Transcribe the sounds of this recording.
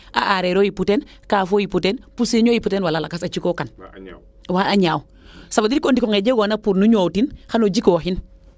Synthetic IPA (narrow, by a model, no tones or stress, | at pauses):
a̰ʔaɾeːɾoːjiputeːn | kaːfoːjiputeːnpuseːɲoːjiputeːnwalalakasat͡ʃikokan | waaɲaːw | sabadiɾkondikoŋeɟeɡonapuɾnuɲowtinxanod͡ʒikoxin